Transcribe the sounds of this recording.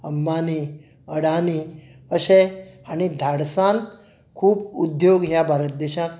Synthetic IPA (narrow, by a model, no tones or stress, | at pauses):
əmːani | əɽaniəɕeañid̪ʱaɽsan | kʰuːbud̪joɡɦjabʱaɾət̪̚d̪eɕãk